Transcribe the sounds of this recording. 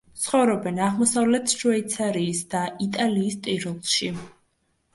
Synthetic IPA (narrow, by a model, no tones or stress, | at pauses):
t̪sʰχɔvɾɔbɛnaʁmɔsavlɛt̪ʰʃuɛit̪sʰaɾiːsd̪aʔit̪ʼaliːst̪ʼiɾɔlˠʃi